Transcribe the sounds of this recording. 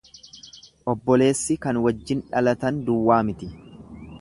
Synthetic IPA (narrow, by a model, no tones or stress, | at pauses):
ʔɔbːɔle̞ːsːɪkɐnwɐd͡ʒːɪnᶑɐlɐt̪ɐnd̪ʊwːaːmɪt̪ɪ